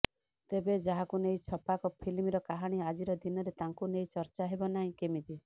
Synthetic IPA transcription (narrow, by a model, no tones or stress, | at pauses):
t̪ebed͡ʒaɦakunejt͡ʃʰɔpakɔpʰilmiɾɔkaɦaɽ̃iad͡ʒiɾɔd̪inɔɾet̪aŋkunejt͡ʃɔɾt͡ʃaɦebɔnaɦĩkemit̪i